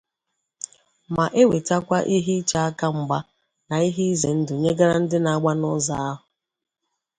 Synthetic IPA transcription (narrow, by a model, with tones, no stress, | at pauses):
ma˨ʔe˦we˨ta˦kʷa˦ʔi˦ɦi˦t͡ʃa˨a˦ka˦ŋ͡m̩˨ɡ͡ba˦ | na˨i˦ɦi˦i˦ze˨n̩˦dʊ˨ɲe˦ɡa˦ɾa˦n̩˦dɪ˦na˨a˦˨ɡ͡ba˦nʊ˦za˨a˦ɦʊ˨